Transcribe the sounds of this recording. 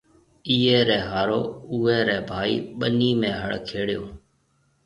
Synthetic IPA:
iːeːɾɛ̃ːɦaːɾoːuːɛːɾɛːbʱaːḭːɓəniːmẽːɦəɽkʰeːɽɪjõː

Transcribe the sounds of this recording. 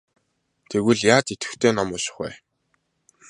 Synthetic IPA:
t̪ʰeɣɘ̆ɮjaːt̪et̪ɘ̆t̪ʰeːnɔmɔːʃɪ̥̆χwæ̰ː

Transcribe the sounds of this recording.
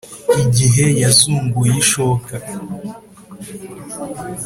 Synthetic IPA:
iɟiɦe̞jazuːŋɡujiʃoka

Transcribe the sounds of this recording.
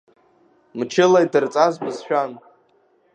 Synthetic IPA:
mt͡ʃʰɪlajdɨrt͡sʼazbɨzʃᶣan

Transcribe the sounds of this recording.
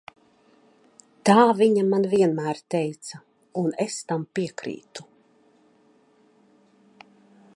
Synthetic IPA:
t̪aːviɲamanviɛnmæːɾt̪ɛjt̪sa | unest̪ampiɛkɾḭːt̪u̥

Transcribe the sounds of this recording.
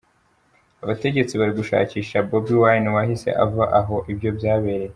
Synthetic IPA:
aβate̞ɟe̞t͡siβaɾiɡuʃa̰ːciːʃabobiwajniwahise̞̰ʔa̰vaʔaɦo̞ʔibjo̞bjaːβeɾe̞

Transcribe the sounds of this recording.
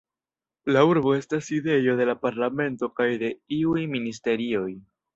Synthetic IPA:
lauɾbo̞e̞staside̞jo̞de̞lapaɾlame̞nto̞kajde̞iujminis̬te̞ɾio̞j

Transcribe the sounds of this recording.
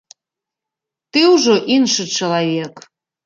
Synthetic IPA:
t̪euʒoʔinʃət͡ɕəlɑvʲek

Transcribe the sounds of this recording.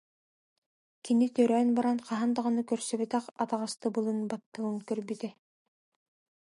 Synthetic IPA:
kinit̪œɾœːnbaɾanqɑɦand̪aʁɤnɯkœɾsœβɛt̪æqɑt̪ɑʁɑst̪ɯbɯlˠɯnbɑt̪ːɯɣɯŋkœɾbit̪ɛ

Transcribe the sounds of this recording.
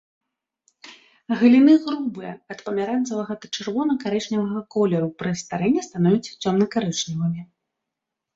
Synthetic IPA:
ɣɨlʲinɨɣɾubɨjɛ̰ɐt̪pɐmʲaɾansɐvɐɣɐd̪ɐt͡ʂɨrvɔnɐkaɾɛt͡ʂnʲivɐɣɐkɔlʲɛɾupɾɨst̪aɾɛnʲːɛst̪anɔvʲit͡sʲt͡sʲɔmnɐkaɾɛt͡ʂnʲivɐmʲi

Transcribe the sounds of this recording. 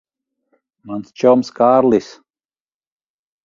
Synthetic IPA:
manst͡ʃɔwmskaːɾlˠis

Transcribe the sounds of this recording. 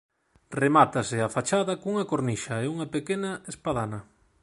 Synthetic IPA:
remat̪asɪafat͡ʃaðɐkouŋɐkoɾniʃaeuŋɐpekenaespaðanɐ

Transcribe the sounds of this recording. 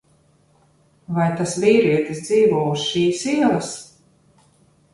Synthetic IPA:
vajt̪asviːɾiɛt̪isd̪ziːvuɔːusʃiːsiɛlˠɐs

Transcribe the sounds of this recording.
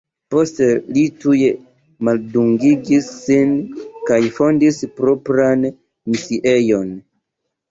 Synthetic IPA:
po̞ste̞lituje | malduŋɡiɡisːinkajfo̞ndispɾo̞pɾan | misiʔe̞jo̞n

